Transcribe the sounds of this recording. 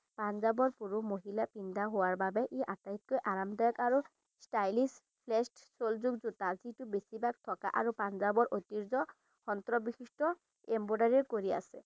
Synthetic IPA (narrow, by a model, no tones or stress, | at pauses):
panzabɔɹpuɹumoɦilapindaɦowaɹbabɛʔeʔatait̚kojʔaɹamdajɔkaɹu | stajlis | pʰlɛsʈsolzuɡzutazitubesibak̚t̪ʰɔka̰ʔaɹupanzabɔɹʔot̪iɹzɔ | xɔnt̪ɹɔbixistɔ | embodaɹiɹkoɹia̰sɛ